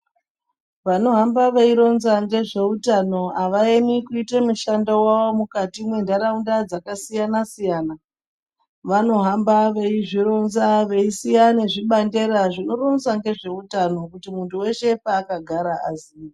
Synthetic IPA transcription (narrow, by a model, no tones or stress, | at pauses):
ʋano̞ɦambaʋeiɾo̞nzaŋɡe̞ʐe̞utano̞aʋaemikuitemuʃandowaomukatimwe̞ndaɾaundad͡zakasijanasijaːna | ʋano̞ɦambaʋe̞iʐiɾo̞nzaʋe̞isijane̞ʐiɓande̞ɾaʐino̞ɾo̞nzaŋɡe̞ʐe̞utano̞kutimuntuwe̞ʃe̞paːkaɡʱaɾaazi